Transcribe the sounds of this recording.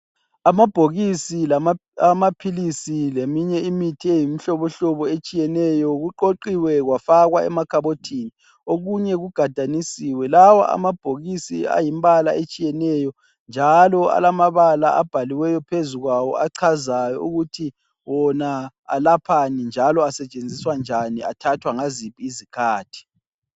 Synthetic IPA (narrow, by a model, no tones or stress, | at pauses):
amab̥ʱoɣisilaamapʰilisilemiɲɛimitʰiejim̩ɬɔβɔɬɔβɔet͡ʃʼijɛnɛjɔɣuǃoǃiwɛɣwafaɣwaɛ̰makʰaβotʰini | oɣuɲɛɣuɡ̥ʱad̥ʱanisiwɛlawa̰ʔa̰mab̥ʱoɣisia̰jimbalaʔet͡ʃʼijɛnɛjɔ | nd͡ʒʱalɔa̰lamaβalaab̥ʱaliwɛjɔpʰezuɣwawɔ̰ʔaǀʰazajɔuɣutʰi | wɔna | a̰lapʰanind͡ʒʱalɔasɛt͡ʃʼend͡zʱiswand͡ʒʱania̰tʰatʰwaŋazipʼiːzikʰaːtʰi̥